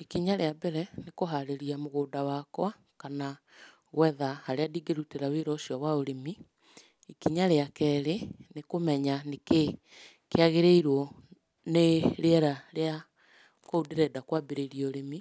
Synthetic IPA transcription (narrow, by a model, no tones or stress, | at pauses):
ikiɲaɾeabɛɾɛnekoɦaɾeɾiamoɣoːdawakwa | kana | ɣwɛðahaɾeadiɡeɾuteɾaweɾɔʃjɔwaoɾemi | ikiɲaɾeakɛːɾenekomɛɲaneke | keaɣeɾeiɾwɔ | neɾeɛɾaɾea | koudeɾɛdakwabeɾeɾioɾemi